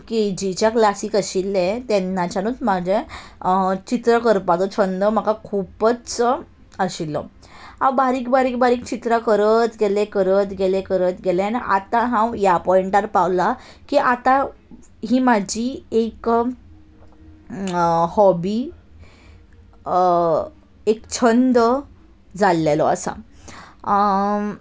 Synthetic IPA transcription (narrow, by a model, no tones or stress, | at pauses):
ked͡ʑit͡ɕjaklasiːkəɕilːɛ̃t̪ɛnːat͡ɕanut͡smad͡ʑʱe | t͡ɕit̪ɾəkəɾpat̪ɔt͡ɕʰənd̪əm̤əkakʰupət͡s | əɕilːɔ̰ | ãwbaɾiːkbaɾiːk̚baɾiːk̚t͡ɕit̪ɾakəɾət̪ɡelẽkəɾət̪ɡelekəɾət̪ɡelɛaniʔa̰t̪aɦãwjapɔiɳʈaɾpawlakiʔat̪ã | ɦiːmad͡ʑʱiek | hɔbi | ekt͡ɕʰənd̪ə | d͡zalːelɔ̰a̰sa̰